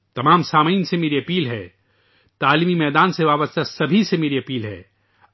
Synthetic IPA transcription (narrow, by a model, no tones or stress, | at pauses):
t̪ɐmaːmsaːmiːnsemeːɾiɐpiːlɦɛ̰ː | t̪aːlimimɛːd̪aːnseʋaːbəst̪ʰasɐbʱisemeːɾiɐpiːlɦɛ̰ː